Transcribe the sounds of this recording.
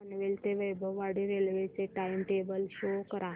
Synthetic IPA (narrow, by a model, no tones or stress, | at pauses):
ənʋelt̪eʋəjbʱəʋːaɽiɾelʋet͡seʈajmʈebəlɕokəɾa